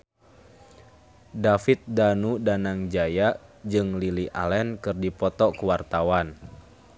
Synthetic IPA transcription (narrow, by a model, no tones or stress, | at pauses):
dafit̪̚danudanaŋd͡ʒajad͡ʒɨŋliliʔa̰lɛnkɨrdipɔt̪ɔkuwart̪awan